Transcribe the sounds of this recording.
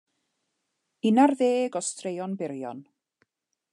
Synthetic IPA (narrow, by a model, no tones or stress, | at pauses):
ɪnarðeːɡɔstrejɔnbɪɾjɔ̰n